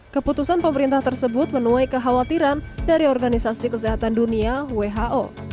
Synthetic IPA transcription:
kəput̪usanpəməɾint̪aht̪ərsəbʊt̪̚mənuajkəɦawat̪iɾandaɾiɔrɡanisasikəseɦat̪anduniaweɦaʔo

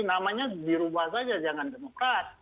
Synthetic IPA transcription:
namaɲadiɾubahsad͡ʒad͡ʒaŋandemokɾat̪̚

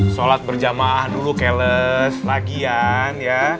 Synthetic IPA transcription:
solat̪̚bərd͡ʒamahdulukɛləslaɡianja

